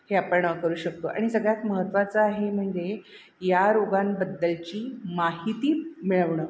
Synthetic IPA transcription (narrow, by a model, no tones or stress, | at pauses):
heapəɳəkəɾuːɕək̚t̪oʔa̰ɽ̃isəɡɭjat̪məɦət̪ːʋat͡saaɦem̤əɳd͡ʑe | jaɾoɡambəd̪ːəlt͡ɕiːmaɦit̪iːmiɭəʋɳəː